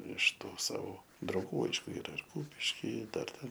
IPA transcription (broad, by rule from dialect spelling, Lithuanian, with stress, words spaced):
ɪʃ ˈtuː ˈsɑːʋoː drɐʊˈɡuː ˈɐɪʃkʊ ˈiːrɐ ɪr ˈkuːpʲɪʃʲkʲɪ ˈdɐr ˈtʲɛn